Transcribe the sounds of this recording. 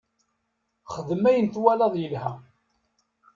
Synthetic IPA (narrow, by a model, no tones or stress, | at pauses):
χəðəmæjənt̪wælɑðˤjəlhæ